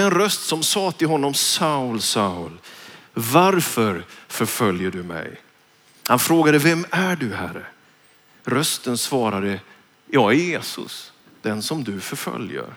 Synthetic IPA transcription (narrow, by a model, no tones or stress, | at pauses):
ɛnɾœst̪sɔmsɑːt̪ʰɪlɦɔnːɔmsaʊlsaʊlvaɾfœɾfœɾfœljəɖɵmɛ̰j | hanfɾoːɡad̪əvɛmæɖɵhæ̰rə̰ | ɾœst̪ənsvɑːɾad̪ə | jɑːæɾjeːsʊ̰s | d̪̥ɛnsɔmd̪ɵfœɾfœ̰ljə̰ɾ